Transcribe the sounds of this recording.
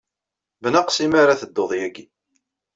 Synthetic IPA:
bnaqsimaɾaθəd̪ːoðˤjæɡi

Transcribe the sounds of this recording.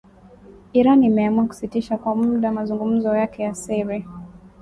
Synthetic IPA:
iɾanimɛamuaku̥sitiʃakwamuuɗamazuŋɡum̩zɔjakɛjasɛɾi

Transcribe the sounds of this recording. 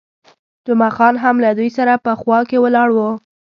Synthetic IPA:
d͡ʒʊmaxɑnɦamlad̪ujsaɾapəxwɑkewəlɑɽwə

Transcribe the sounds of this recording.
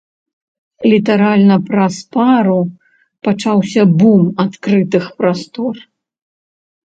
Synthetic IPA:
lʲit̪aɾalʲnɐpɾɐspaɾu | pat͡ʂawsʲɐbumat̪kɾɨt̪ɨxpɾast̪ɔr

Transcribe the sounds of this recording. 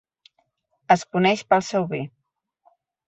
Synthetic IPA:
əskunɛʃpəlˠsɛwβi

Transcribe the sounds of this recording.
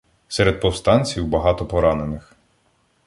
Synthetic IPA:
sɛɾed̪̚pɔwst̪ɑnʲt͡sʲiwbɐɦɑt̪ɔpɔɾɑnenɪx

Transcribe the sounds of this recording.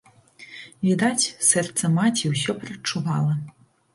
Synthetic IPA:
vʲid̪at͡sʲsɛrt̪sɐmat͡sʲiwsʲɔpɾɐt͡ʂːuvalˠɐ

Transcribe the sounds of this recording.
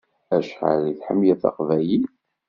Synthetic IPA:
æʃħa̰ɾiθħə̰mːjæθɑ̰qvæji

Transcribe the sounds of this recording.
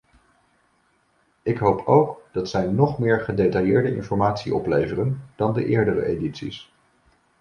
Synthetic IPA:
ɪkɦowpʰowkd̥ɑtsɛjnɔχmɪːɹχədejtɑjɪːɹdəʔɪ̰nfɔɹmaːtsiʔɔplejvərənd̥ɑndəʔɪːɹdərə̰ʔejditsḭs

